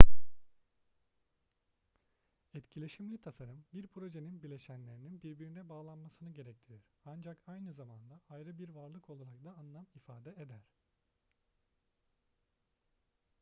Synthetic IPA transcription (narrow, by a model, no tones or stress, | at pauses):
ɛt̪cʰilʲe̞ʃimlʲit̪ʰasaɾɯmbiɾpʰɾo̞ʒe̞ninbilʲeʃænlʲe̞ɾininbiɾbiɾind̪ɛbaːlˠanmasɯnɯɟe̞ɾɛct̪ʰiɾiɾ̥and͡ʒakajnɯzamand̪aajɾɯbiɾvaɾlˠɯkʰo̞lˠaɾak̚d̪aːnlˠamifaːd̪ɛed̪æɾ̥